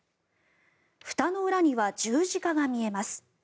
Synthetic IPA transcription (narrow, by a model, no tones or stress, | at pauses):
ɸɯ̟̥t̪ano̞ɯ̟ɾaɲ̟iβad͡ʑɨːʑikaɡamʲie̞masɨ̥